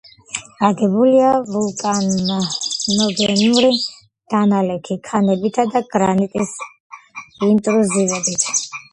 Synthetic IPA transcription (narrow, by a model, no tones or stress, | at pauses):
aɡɛbuliavulˠkʼan | nɔɡɛnuɾi | d̪̥analɛkʰikʰanɛbit̪ʰad̪aɡɾanit̪ʼis | int̪ʼɾuzivɛbit̪ʰ